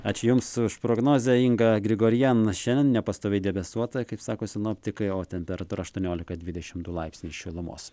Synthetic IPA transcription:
ɑːt͡ʃʲʊjʊmsʊʃpɾoːɡnoːzʲɛiŋɡɐɡɾʲɪɡoːɾʲjɛnʃʲɛnd̪ʲɛnnʲɛpɐst̪oːɛɪd̪ʲɛbʲɛsuɔt̪ɐkɐɪpsɑːkoːsʲɪnʊɐpʲt̪ʲɪkɐɪoːt̪ʲɛnpʲɛɾɐt̪uːɾɐʃt̪uɔnʲoːlʲɪkɐd̪ʲʋʲɪdʲɛʃʲɪmd̪ʊlˠɐɪpʲsʲnʲiːʃʲɪlˠʊmo̰ːs

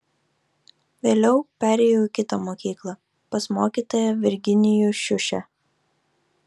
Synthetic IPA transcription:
ʋʲeːlʲɛʊpʲæːɾʲɛːjoʊikʲɪt̪ɐmoːkʲiːklˠɑ | pɐsmoːkʲiːt̪oːjɛʋʲɪɾʲɡʲɪnʲɪjuʃʲʊʃʲɛ

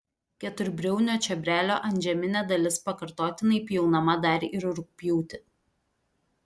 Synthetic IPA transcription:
kʲɛt̪ʊɾʲbʲɾʲɛʊnʲoːt͡ʃʲɛbʲɾʲæːlʲoːʔɐnʲd͡ʒʲɛmʲɪnʲɛd̪ɐlʲɪspɐkɐɾt̪oːt̪ʲɪnɐɪpʲjɛʊnɐmɐd̪ɑːɾʲʔɪɾʊɾʊk̚pʲjuːt̪ʲɪ

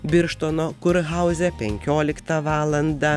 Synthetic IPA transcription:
bʲɪɾʃt̪oːnoːkʊɾɣɐʊzʲɛpʲɛŋʲkʲoːlʲɪkt̪ɐʋɑːlˠɐnd̪ɑ

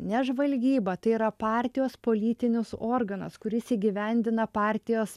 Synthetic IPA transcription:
nʲɛʒʋɐlʲɡʲiːbɐt̪ɐɪiɾɐpɑːˑɾʲt̪ʲɪjoːspoːlʲiːt̪ʲɪnʲʊsoːɾɡɐnɐ̰skʊɾʲɪsiːɡʲiʋʲɛnʲd̪ʲɪnɐpɑːˑɾʲt̪ʲɪjoːs

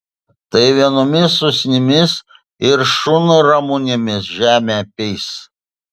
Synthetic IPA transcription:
t̪ɐɪʋʲiɛnɔmʲɪsːʊsʲnʲɪmʲɪs | ɪɾʃʊnʊɾɐmʊnʲɪmʲɪsʒʲæːmʲepʲɛɪs

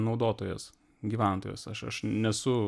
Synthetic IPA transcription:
nɒʊd̪oːt̪oːjɛs | ɡʲiːʋʲæˑnt̪oːjo̰ːsɐʃɐ̰ʃnʲɛsʊ

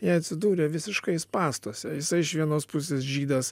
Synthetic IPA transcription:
jiɛɐt̪ʲsʲɪd̪uːɾʲeʋʲɪsʲɪʃkɐɪspɑːst̪uɔsʲɛjɪsɐɪɪʃʋʲiɛnoːspʊs̬ʲeːsʒʲiːd̪ɐs

